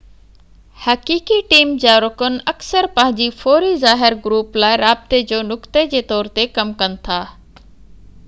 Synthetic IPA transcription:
hɐkiːkiʈiːmd͡ʑaːɾʊkənɪ̆ɐksəɾpɐ̃ɦɪ̃ɲd͡ʑifoːɾizaːɦɪɾɡʊɾuːplaːɪɾaːb̚t̪ed͡ʑoːnʊkt̪ed͡ʑeːt̪ɔːɾt̪ekɐmkɐnɪ̆t̪ʰaː

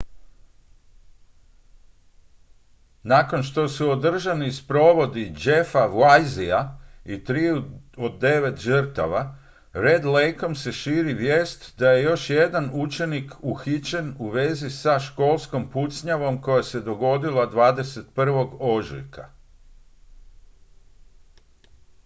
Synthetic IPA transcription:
nako̞nʃt̪o̞suod̪r̩ʒanispɾo̞ʋo̞d̪id͡ʒe̞faʋlajziait̪ɾiuod̪ːe̞ʋe̞t̪ʒər̩t̪a̰ʋa | ɾe̞d̪lejko̞mse̞ʃiːɾiʋje̞ːst̪d̪aje̞jo̞ʃje̞d̪anut͡ʃe̞nikʰuxit͡ʃe̞nuʋe̞zisaʃko̞ːlˠsko̞mput̪sɲaʋo̞mko̞jase̞d̪o̞ɡo̞d̪ilad̪ʋaːd̪e̞se̞t̪̚pr̩ʋo̞ɡo̞ʒlḭka

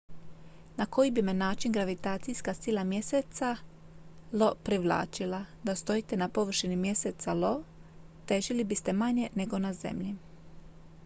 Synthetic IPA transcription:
nako̞jibime̞naːt͡ʃinɡɾaʋit̪aːt̪sijskasilˠamje̞set̪sa | lo̞pɾiʋlˠa̰ːt͡ʃilad̪ast̪o̞jit̪e̞napo̞ʋr̩ʃinimje̞set̪salo̞ | t̪e̞ʒilibist̪e̞maɲe̞ne̞ɡo̞naze̞̰mʎi

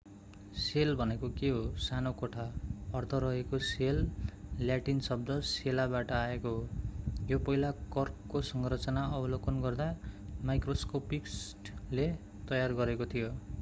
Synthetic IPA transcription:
selbʱʌnekokeɦosanokoʈʰaʌrt̪ʰʌɾʌɦekoselːjaʈinsʌb̚d̪ʱʌselabaʈʌaekoɦojopʌɦilakʌrkːosʌŋrʌt͡sʌnaʌbʌlokʌnɡʌrd̪amajkroskopiksʈle | t̪ʌjarɡʌɾekot̪ʰijo

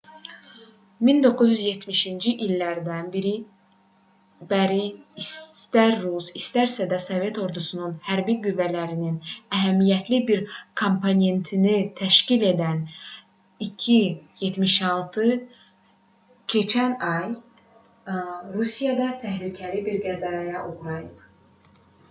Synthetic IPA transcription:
mind̪o̞kʰːuzyzje̞t̪miʃind͡ʒiʔilːæɾd̪ænbiɾi | bæɾiːs | t̪æɾːusist̪æɾsæd̪æso̞vje̞t̪ʰo̞ɾd̪usununhæɾbiɡyvːælæɾininæɦæmijæt̪ʰlibiɾkʰo̞mpʰone̞nt̪ʰinit̪ʰæʃcile̞d̪æn | icʰije̞t̪miʃɑlˠt̪ʰɯ | cʰe̞t͡ʃʰænɑj | ɾusijɑd̪ɑt̪ʰæhlycʰælibiɾɡæzɑːjɑʔoɣɾɑjɯp

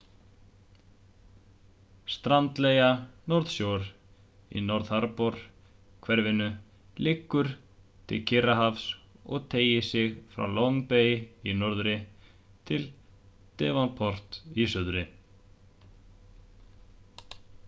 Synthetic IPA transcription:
st̪ɾant̪lejanɔɾðsjowɾ | ḭnɔɾðhaɾpɔɾ̥ | kʰvɛɾvɪnʏ | lɪkːʏɾ̥ | t̪ʰɪ̰lcʰɪraɦafsɔ̰ɣt̪ʰeːjɪsɪɣfɾa̰wlɔŋpeːjɪinɔɾðʏɾɪ | t̪ʰɪl | t̪ɛːvanpʰɔr̥t̪isʏðɾɪ

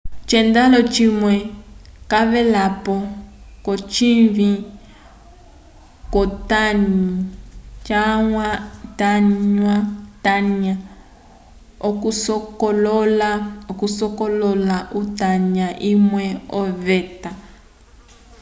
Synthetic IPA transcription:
t͡ʃɛndalɔt͡ʃimwɛkaβɛlapɔkɔt͡ʃiɱvi | kɔtaɲit͡ʃaŋwataɲwataɲa | ɔkusɔkɔlɔlakusɔkɔlɔlaʔutaɲaʔimwɛɔvɛta

